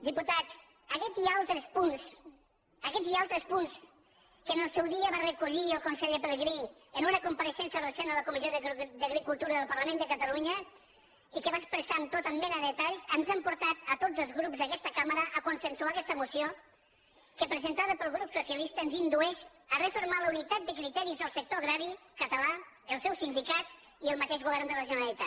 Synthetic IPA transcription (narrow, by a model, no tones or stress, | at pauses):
d̪iput̪at͡s | əkɛt̪ialˠt̪ɾəspuns | əkɛzialˠt̪ɾəspuns | kənəlˠsɛwðiəβarəkuʎiəlˠkunsɛʎəpələɣɾinənunəkumpəɾəʃɛnsjəlrəsenələkumizijoðd̪əɣɾikulˠt̪uɾəðəlˠpəɾləmẽnd̪əkət̪əluɲə | ikəβaspɾəsant̪ot̪əmbɛnəððət̪aʎsənzampuɾt̪at̪ət̪od͡zəlˠzɣɾupzðəkɛst̪əkaməɾəʔəkunsənsuakɛst̪əmusio | kəpɾəzənt̪aðəpəlˠɣɾupsusiəlist̪əːnzind̪uɛʃ | ərefiɾmaləunit̪at̪̚d̪əkɾit̪ɛɾizðəlˠsək̚t̪oəɣɾaɾikət̪əla | əlˠsɛwsind̪ikatt͡s | iəlˠmət̪eʒɣuβɛɾnd̪ərəʒunəlit̪a